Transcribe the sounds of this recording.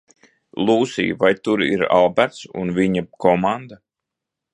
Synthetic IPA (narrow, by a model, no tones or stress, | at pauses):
lˠuːsḭːvajt̪uɾḭɾa̰lˠbæɾt̪sṵnviɲakɔmand̪a